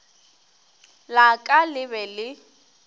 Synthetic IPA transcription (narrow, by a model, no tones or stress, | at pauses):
lakʼalɪbɛlɪ